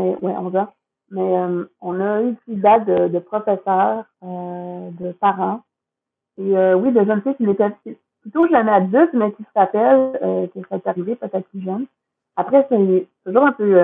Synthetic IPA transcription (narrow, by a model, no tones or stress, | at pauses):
ɛwɛʔɔ̰̃d̪ã | mɛœmɔ̃naysid̪ad̪əd̪əpχɔfɛsœːʁød̪əpaʁɑ̃ | eøwileʒənfikʲinet̪ɛki | plyt̪oʒamɛadylt̪mɛkʲisapɛløkəsaet̪ɛaʁivepət̪ɛt̪̚liʒɛn | apχɛsɛt̪uʒuʁɛ̃pø